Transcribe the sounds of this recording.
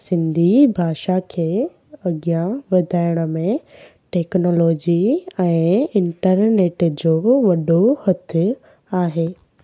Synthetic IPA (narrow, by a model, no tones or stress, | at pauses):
sɪ̃nd̪ʱibʱaːʃakʰeː | ɐɡijãʋɐd̪ʱaːɪɽ̃ə̆mẽ | ʈeːknoːloːd͡ʑiɛ̃ːɪ̃ɳʈəɾneːʈd͡ʑoːʋɐɗohɐt̪ʰʊ | aːɦeː